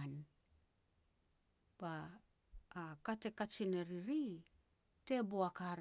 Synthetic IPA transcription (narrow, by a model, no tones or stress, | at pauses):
n | b̥aː | kate̞kat͡ʃineɾiɾi | te̞boakaɾ